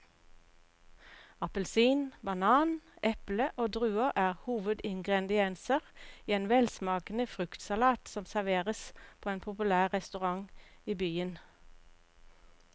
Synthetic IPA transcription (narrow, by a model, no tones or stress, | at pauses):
ɑpəlsiːnbɑnɑːnʔɛpləʔoːd̪ʁʉːəʁʔæːʁhuːʋəd̪ɪŋɡʁɛd̪ɪɛnsəʁiːeːnʋɛlsmɑːkən̩əfʁʉkt̪sɑlɑːt̪sɔmsæʁʋeːʁəspʰoːeːnpʰʊpʉlæːʁʁɛst̪ʉʁɑŋiːbyːən